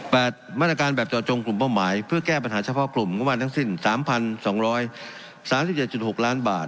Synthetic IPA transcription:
pɛː˨˩t̪̚maː˥˩t̪ɾa˧kaː˧nbɛː˨˩p̚t͡ɕɔː˨˩t̪̚t͡ɕo˧ŋklu˨˩mpaː˥˩maː˩˦jpʰɯ˥˩ɐkɛː˥˩p̬a˧nɦaː˩˦t͡ɕʰa˧˥pʰɔː˥˩klu˨˩mŋu˥maː˧t̪ʰa˥˩ŋsi˥˩nsaː˩˦mpʰa˧nsɔː˩˦ŋɾɔː˦˥j | saː˨˦msi˨˩p̚t͡ɕe˨˩t̪̚t͡ɕu˨˩t̪̚ho˨˩k̚laː˦˥nba̰ː˨˩t̪̚

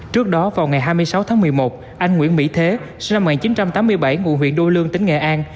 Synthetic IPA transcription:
t͡ɕɨ˦˥ək̚ɗɔ˨˦vaː˨˩wŋa˨˩jɦaː˧jmɨ˧əjsa˨˦wt̪ʰaː˨˦ŋmɨ˨˩əjmo˨˩t̚ | ʔa˧jŋ̟ŋwḭ˧˥ənmḭ˧˥t̪ʰe˨˦sna˧m̚˨˩ŋaː˨˩t͡ɕi˨˦nt͡ɕa˧mt̪aː˨˦mːɨ˧əjɓa˧˩jŋṵ˧˨nɦwḭ˧˨ənɗo˧lɨ˧əŋt̪ï˨˦ŋ̟ŋɛ̰˧˨ʔaː˧n

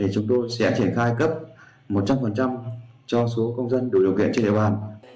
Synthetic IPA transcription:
ɗe˨˩t͡ɕʊ˨˦ŋ͡mt̪o˧jsɛ̰˧˥t͡ɕi˧˩ənxaː˧jkə˦˥p̚ | mo˨˩t̚t͡ɕa˧mfə˨˩nt͡ɕa˧mt͡ɕɔ˧so˨˦kə˧wŋ͡mzə˧nɗɨ˨˩ɗə̰˨˩wkḭ˧˨nt͡ɕe˧ɗḭ˧˨ɓaː˧˩n

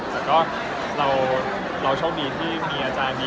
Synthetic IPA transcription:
t̪ɛː˨˩kɔː˥˩ | ɾa˧w | ɾa˧wt͡ɕʰɔː˥˩ŋdiː˧t̪ʰiː˥˩miː˧ʔaː˧t͡ɕaː˧nmiː˧

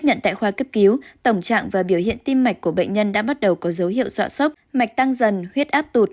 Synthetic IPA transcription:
ɲə̰˧˨nt̪a̰ː˧˨jxwaː˧kə˦˥p̚ki˨˦wt̪ə˧˩wŋ͡mt͡ɕa̰ː˧˨ŋvaː˨˩ɓi˧˩əwhḭ˧˨ənt̪i˧mːa˨˩jk̟̚kːu˧˩əɓḛ˧˨jŋ̟ɲə˧nɗa̰ː˧˥ɓa˦˥t̚ɗə˨˩wkɔ˨˦zə˨˦whḭ˧˨əwswa̰ː˧˥sə˦˥wk͡p̚ma˨˩jk̚t̪a˧ŋzə˨˩nhwi˦˥ət̚ʔaː˦˥p̚t̪u˨˩t̚

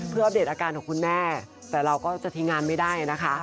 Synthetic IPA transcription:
pʰɯ˥˩waː˦˥˩deː˨˩t̪̚aː˧kaː˧nkʰɔː˨˩ŋkʰu˧nmɛː˥˩ | t̪ɛː˨˩ɾa˧wkɔː˥˩t͡ɕa˨˩t̪ʰiː˧ŋaː˧nma˥˩jdaː˥˩jna˦˥kʰa˦˥

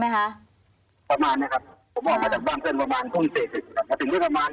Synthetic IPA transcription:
ma˦˥jkʰa˦ʔ | pa˧maː˧˦nːa˧˩kʰa˦˧˩p̚ʰ | o˨˦bɔː˧˩ma˧˩t͡ɕaː˨˩k̚aː˥˩ŋpɯ˨˩˦npa˧maː˧˥nt̪ʰuː˨˧˩nseː˨˩t̪̚se˨˧˩kʰa˦˧p̚mɔ˧˩t̪ɯ˨˦diː˧˥˩pa˧maː˧˦n

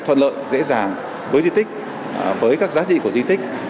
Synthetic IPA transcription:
t̪ʰwə̰˧˨nlə̰ː˧˨jzḛ˧˥zaː˨˩ŋ | vəː˨˦jzi˧t̪ʰï˦˥k̟̚ | vəː˨˦jkaː˦˥k̚zaː˨˦t͡ɕḭ˧˨ku˧˩əzwi˧t̪ï˦˥k̟̚

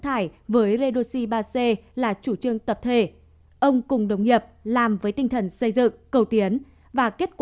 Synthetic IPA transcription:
t̪ʰaː˧˩jvəː˨˦jze˧ɗo˧si˧ɓaː˧se˧laː˨˩t͡ɕu˧˩t͡ɕɨ˧əŋt̪ə˨˩p̚t̪ʰe˧˩ | ʔə˧wŋ͡mkʊ˨˩ŋ͡mɗə˨˩wŋ͡mŋi˨˩əp̚laː˨˩mvəː˨˦jt̪ï˧ŋ̟t̪ʰə˨˩nsə˧jzɨ̰˧˨ŋkə˨˩wt̪i˨˦ən | vaː˨˩ke˦˥t̚kw

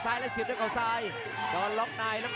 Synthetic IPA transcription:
saː˧jlɛ˦˥si˨˩t̪̚ːkʔa˨˩wsaː˧j | k̪ɔː˧nlɔ˦˥k̚naː˧jlɛ˦˥

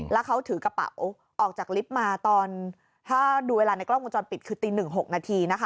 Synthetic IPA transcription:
lɛ˦˥wkʰa˦˥wt̪ʰɯː˩˦ka˧pa̰˨˩˦w | ʔɔː˨˩k̚t͡ɕaː˨˩k̚li˦˥p̚maː˧t̪ɔː˧n | t̪ʰaː˥˩duː˧weː˧laː˧na˧jklɔ˥˩ŋ˨u˧t͡ɕɔː˧npi˨˩t̪̚kʰɯː˧t̪iː˧nɯ˨˩ŋɦo˨˩k̚naː˧t̪ʰiː˧na˦˥kʰa˦˥

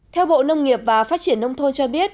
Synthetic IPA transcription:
t̪ʰɛ˧wɓo̰˧˨nə˧wŋ͡mŋi˨˩əp̚vaː˨˩faː˦˥t̚t͡ɕi˧˩ənːə˧wŋ͡mt̪ʰo˧nt͡ɕɔ˧ɓi˦˥ət̚

